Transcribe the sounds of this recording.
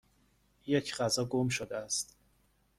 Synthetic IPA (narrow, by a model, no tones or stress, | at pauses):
jecʰɢæzɒːɡomʃod̪eæst̪